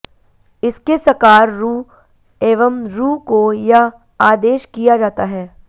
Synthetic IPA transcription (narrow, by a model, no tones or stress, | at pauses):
ɪskesɐkaːɾːuː | eːʋəmɾuːkoja | aːd̪eːʃkijad͡ʒaːt̪aɦɛː